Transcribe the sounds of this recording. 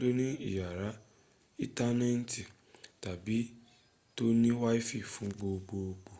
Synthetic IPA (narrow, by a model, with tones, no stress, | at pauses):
do˦nĩ˦i˦˨ja˨ɾa˨˦ | i˦ta˦nɛ̃˦n̩˦ti˨ | ta˨bi˨˦ | to˦nĩ˦wa˦i˦fi˦˨fũ˨˦ɡ͡bo˧ɡ͡bo˧o˧ɡ͡bo˧